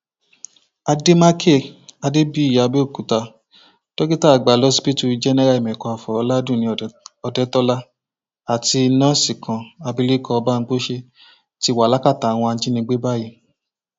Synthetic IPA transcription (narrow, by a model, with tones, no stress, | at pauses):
a˧de˦ma˦kʰe˦˨a˧de˦bi˦i˦˨ja˨˧be˦o˦˨ku˨ta˧ | to˦ɡi˦ta˦˨ɡ͡ba˨lɔ˨˦si˦pi˦tu˧d͡ʒɛ˦nɛ˦ɾa˦˨i˨mɛ̃˨kɔ˧a˨fɔ˨ɔ˧˦la˦dũ˦˨nĩ˧ɔ˧dɛ˦tɔ˦la˦ | a˨ti˧˦nã˦si˨kʰã˨a˧bi˧˦li˦kɔ˧ba˦˧˦k͡po˦ʃe˧ | ti˧˦˧wa˨la˦ka˦˨ta˨˦w̃ɔ̃˧a˧˦t͡ʃi˦nĩ˧ɡ͡be˦ba˦˨ji˧˨